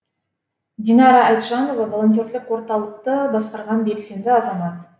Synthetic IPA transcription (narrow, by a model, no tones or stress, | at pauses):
d̪ʲinɑɾɑɑjt̪ʒɑno̞vɑvolˠo̞nt̪̬ʲjorlɪkwo̞ɾt̪ɑlˠəqt̪əbɑsqɑɾʁɑnbe̞kse̞md̪ɪɑzɑmɑt̪